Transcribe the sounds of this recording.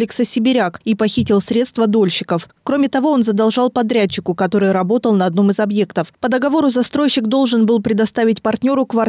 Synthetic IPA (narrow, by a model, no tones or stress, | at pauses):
lʲɪksəsʲɪbʲɪɾʲakipɐxʲitʲɪlˠsɾʲe̞t̪st̪vəd̪o̞lʲɕːɪkəfkɾo̞mʲɪt̪ɐvo̞o̞nzəd̪ɐlˠʐɑlˠpɐd̪ɾʲæt͡ɕːɪkʊkɐt̪o̞ɾɨjɾɐbo̞t̪əlˠnɐɐd̪no̞mɨzɐbje̞kt̪əfpəd̪əɡɐvo̞ɾʊzɐst̪ɾo̞jɕːɪkd̪o̞lˠʐɨnbɨlˠpɾʲɪd̪ɐst̪avʲɪtʲpɐrtʲnʲo̞ɾʊkvɐ